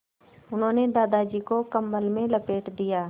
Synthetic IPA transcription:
ʊnɦõːned̪aːd̪aːd͡ʒiːkokəmːəlmẽləpeːʈd̪ijaː

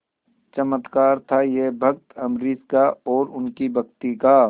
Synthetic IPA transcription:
t͡ʃəmət̪kaːɾt̪ʰajebʱɐkt̪ɐmɾiːskaɔːɾʊnkibʱɐkt̪ika

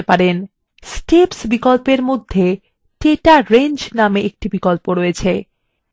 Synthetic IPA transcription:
epaɾen | sʈepsbikolpeɾmod̪ʱːe | ʈeʈaɾend͡ʑnameʔek̚ʈibikolpoɾoet͡ɕʰe

